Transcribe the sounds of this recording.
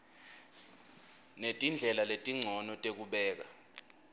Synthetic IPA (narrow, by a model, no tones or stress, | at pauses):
netʼind͡ɮʱɛlaletʼiŋ͡ǀʱɔnɔtʼek̬uɓɛːk̬a